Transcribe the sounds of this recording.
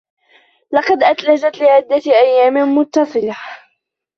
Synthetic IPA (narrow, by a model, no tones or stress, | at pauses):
lɑqɑd̪ʔat̪lad͡ʒat̪lɪʕɪd̪ːaʔajːaːmɪmʊt̪ːɑsˤɨla